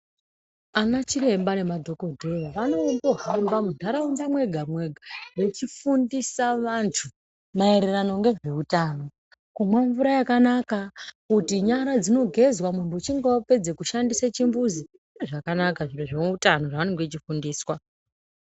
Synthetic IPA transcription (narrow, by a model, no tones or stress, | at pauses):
anat͡ʃiɾe̞mbane̞madʱo̞ko̞dʱe̞ʋaʋano̞ndo̞ɦambamundʱaɾaunzamwe̞ɡʱamwe̞ɡʱawe̞t͡ʃifundisaʋantʰu | maeɾerano̞ŋɡe̞ʐe̞utaːno̞ | kumwaɱvuɾajakanakakutiɲaɾad͡zino̞ɡʱe̞zwamuntuːt͡ʃiŋɡope̞d͡zekuʃandisat͡ʃimbuzi | iʐakanakaʐireʐemuutano̞ʐaʋaneŋɡet͡ʃifundiːswa